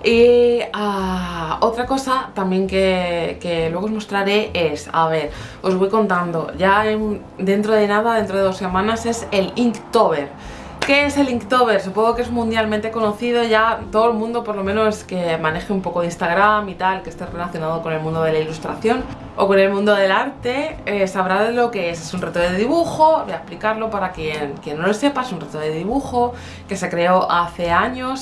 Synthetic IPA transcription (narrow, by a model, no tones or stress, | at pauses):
ia | o̞t̪ɾako̞sat̪amje̞ŋkekelwe̞ɣozmo̞st̪ɾaɾe̞e̞sa̰β̞e̞ɾo̞zβojko̞nt̪and̪o̞ʝaem | d̪e̞nt̪ɾo̞ð̞e̞naðaðent̪ɾo̞ððose̞mãnase̞se̞liŋkt̪oβe̞ɾ | ke̞ese̞liŋkt̪o̞βe̞ɾsupo̞ŋɣɡokee̞zmũnd̪jalmẽnt̪e̞ko̞noθið̞o̞ʝat̪oðoelmũnd̪o̞po̞ɾlo̞mẽnoseske̞mãne̞xeumpo̞koðinst̪aɣɾamit̪alke̞st̪e̞re̞laθjo̞naðo̞ko̞ne̞lmũnd̪o̞ð̞elailust̪ɾa̰θjo̞n | o̞̰ko̞ne̞lmũnd̪o̞ðe̞laɾt̪e̞esaβɾaðelo̞ke̞esesunret̪oððeðiβuxo̞eaplikaɾlo̞paɾakjenkje̞nːo̞lose̞paesunret̪oðeðiβuxo̞ | ke̞se̞kɾe̞o̞ʔaθe̞aɲo̞s